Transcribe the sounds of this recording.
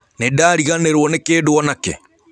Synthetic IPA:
nedaːɾiɣaneɾwɔnekeːdoɔnakḛ

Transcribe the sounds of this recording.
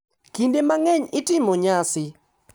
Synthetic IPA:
kindemaŋɛɲɪtɪmoɲasɪ

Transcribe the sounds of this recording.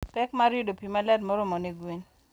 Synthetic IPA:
pɛkmaɾjʊdopimalɛdmɔɾɔmɔneɡwin

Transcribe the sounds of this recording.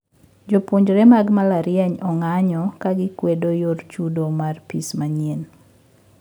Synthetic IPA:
d͡ʒopoɲd͡ʒɾemaɡmalaɾjaɲɔŋaɲɔkaɡɪkwedojort͡ʃudomarpismaɲen

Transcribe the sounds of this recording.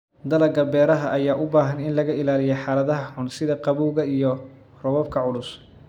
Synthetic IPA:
d̪ɐlɐɡɐbɛːɾɐɦɐʔɐjaːʔʊbaːɦɐnɪnlɐɣɐɪlaːlɪjɛjħaːlɐðɐɦɐħʊnsɪðɐqɑβuːɣɐijɔ | rɔβɔb̚kʰɐʕʊlʊs

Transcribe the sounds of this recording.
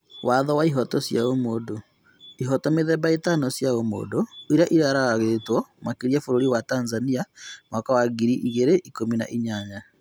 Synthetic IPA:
waðɔwaiɦɔtɔsjaomoːdo | iɦɔtɔmeðɛbaetanɔsjaomo̰ːdoiɾaʔiɾaɾaaɣetwɔmakiɾiafoɾoɾiwatanzaniamakawaɡiɾiʔiɣeɾeʔikomina̰ʔiɲaɲa

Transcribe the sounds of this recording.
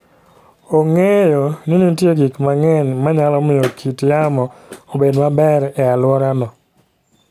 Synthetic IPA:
oŋejoninitjeɡikmaŋɛnmaɲalɔmɪjokʰitjamɔobedmabɛɾɛalwɔɾanɔ

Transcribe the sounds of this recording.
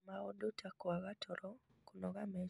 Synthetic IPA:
maɔdotʰakwaɣatʰɔɾɔ | konɔɡamɛ

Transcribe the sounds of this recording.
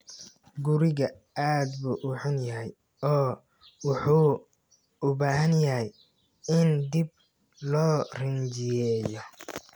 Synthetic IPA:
ɡʊɾɪɣɐ | aːd̪buːʔʊħʊnjɐɦɛj | ɔː | wʊħuː | ʊbaːɦɐnjɐɦɛj | ɪnd̪ib̚ | lɔːrɪnt͡ʃɪjɛːjɔ

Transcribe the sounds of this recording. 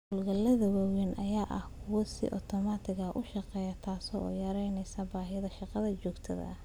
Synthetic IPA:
hʊlɡɐlɐðɐwɐːwɛnʔɐjaːʔɐhkʰʊwɔsɪ̰ʔɔ̰t̪ʰɔmaːt̪ʰɪɣɐʔʊʃɑqɛːjɐt̪ʰaːsɔːʔɔ̰ːjɐɾɛjnɛjsɐbaːɦɪjɐðɐʃɑqɑðɐt͡ʃɔːɡt̪ʰɐ̰ðɐ̰

